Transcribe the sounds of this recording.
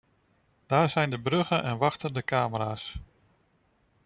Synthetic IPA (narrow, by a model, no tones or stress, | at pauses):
d̥aːɹzɛjndəbrɵχənʔɛnʋɑχtəndəkaːməɾaːs